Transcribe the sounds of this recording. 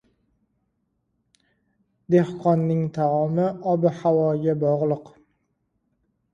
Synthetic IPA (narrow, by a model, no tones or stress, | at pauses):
d̪ehqʰɒnːɪŋt̪ʰaɒmɪʔɒbɪhawɒɡʲabɒʁlˠɨq